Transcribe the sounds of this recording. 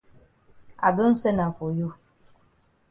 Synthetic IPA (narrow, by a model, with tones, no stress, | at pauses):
a̰˨do˦n̩˦sɛ˦na˨fo˨jo˦